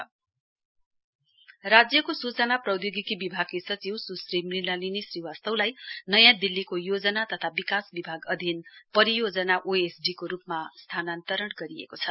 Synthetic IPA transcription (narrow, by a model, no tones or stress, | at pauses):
rad͡zjʌkosut͡sʌnaprʌwd̪joɡikibibʱaɡ̚kesʌt͡siwsusrimrilalinisriwast̪ʌwlajnʌjãd̪ilːikojod͡zʌnat̪ʌt̪ʰabikasbibʱaɡʌd̪ʱinpʌɾijod͡zʌnaʔoesɖikoɾupmast̪ʰanant̪ʌɾʌɽɡʌɾiḛkot͡sʰʌ̥